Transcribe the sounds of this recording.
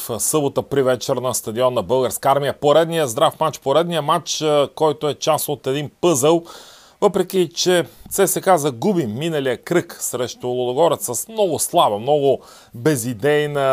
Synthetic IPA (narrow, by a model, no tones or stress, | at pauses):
fsɤbot̪əpɾivɛt͡ʃɛɾnɐst̪ɐd̪iɔnːɐbɤlˠɡəɾskaaɾmijəpoɾɛd̪nijəzd̪ɾafmat͡ʃpoɾɛd̪nijəmat͡ʃkɔjt̪oɛt͡ʃasot̪ɛd̪inpɤzəlˠ | vɤpɾɛk̟ʲit͡ʃɛt̪sɛsɛkazɐɡubiːinɐlijəkɾɤksɾɛʃt̪olˠod̪oɡɔɾɛt̪səsmnɔɡʊslˠabɐmnɔɡʊ | bɛzid̪ɛjnə